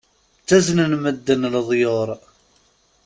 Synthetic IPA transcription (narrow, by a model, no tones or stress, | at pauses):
t͡sːæznənməd̪ːənlðˤjoɾˤ